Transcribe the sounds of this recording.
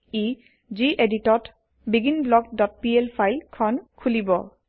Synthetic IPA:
i | ziʔeditɔt | biɡinblɔɡ̚dɔt̚pielpʰajlkʰɔnkʰulibɔ

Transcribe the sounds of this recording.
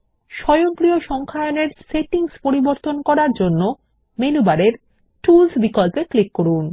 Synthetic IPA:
ʃɔjoŋkɾioʃɔŋkʰaeoneɾseʈiŋspoɾiboɾt̪onkɔɾaɾd͡ʑonːo | menubaɾeɾ | ʈulsbikolpeklikːoɾun

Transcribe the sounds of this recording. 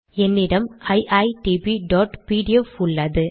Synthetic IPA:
ɛnːɪɽɐmɐɪʔɐjʈibiɖɔːʈpiːɽɪɛfʊɭːɐðɯ

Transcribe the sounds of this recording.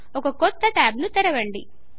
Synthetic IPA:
ɔkɐkɔt̪ːɐʈaːbnut̪ɛɾɐʋɐɳɖi

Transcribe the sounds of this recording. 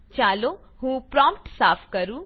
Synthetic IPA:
t͡ʃaːlo | hũːpɾɔ̃ːmpʈsaːpʰkəɾuː

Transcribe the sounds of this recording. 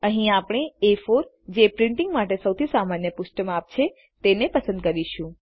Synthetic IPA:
ə̃ɦĩapɳ̃eefoɾ | d͡ʒepɾɪ̃ɳʈiŋɡmaʈesəwt̪ʰisamanjəpʊʃʈəmap̚t͡ʃʰe | t̪enepəsə̃nd̪̚kəɾiʃũ

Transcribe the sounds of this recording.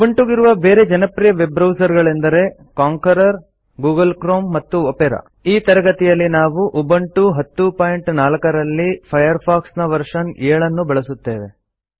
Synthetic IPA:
ubɐɳʈuɡiɾuʋɐbeːɾe̞d͡ʒɐnɐpɾijɐʋebɾɐwsɐɾɡɐɭend̪ɐɾe̞ | kaːŋkɐɾɐɾ | ɡuːɡɐlkɾoːmːɐt̪ːuopɛɾɐ̰ | iːt̪ɐɾɐɡɐt̪ijɐlːinaːʋuʔubɐɳʈuɦɐt̪ːupaːjɳʈnaːlɐkɐɾɐlːipʰɐjɐɾpʰaːksnɐʋɐɾʂɐneːɭɐnːubɐɭɐsut̪ːeːʋḛ

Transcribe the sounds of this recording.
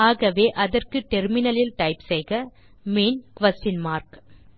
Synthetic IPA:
aːɣɐʋeːʔɐðɐrkɯʈɛɾmɪnɐlɪlʈɐɪpsɛjɣɐ | meːnkʋɐsʈɪnmaːɾk

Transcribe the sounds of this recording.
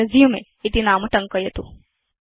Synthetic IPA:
ɐzijumḛ | it̪inaːmuʈɐŋkɐjɐt̪u

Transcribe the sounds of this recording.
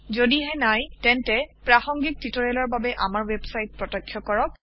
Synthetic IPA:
zodiɦɛnajtɛntɛpɹaxɔŋɡik̚titɔɹɛlɔɹbabɛʔamaɹwebsajt̚pɹɔtɔkʰːjɔkɔɹɔk̚

